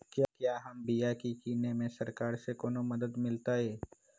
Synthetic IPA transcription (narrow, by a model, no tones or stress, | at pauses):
kjaːkjaːɦɐmbijakikiːnemẽsɐɾkaːɾsekoːnomɐd̪əd̪mɪlt̪aɦɛː